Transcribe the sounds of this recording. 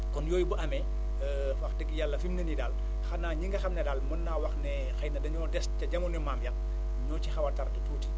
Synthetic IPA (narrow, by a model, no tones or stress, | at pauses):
kɔnjɔːjbəʔɐmɛ | fɐxdəɡjalːɐfimnɐnidal | xɐnaːɲiŋɡɐxɐmnɛdalmɐnːaːwɐxnɛ | xɐjnɐdɐɲɔːdɛscɐɟɐmunɛmamjɐl̚ | ɲɔːt͡ʃixɐwɐrtɐɾɐtɐtuːti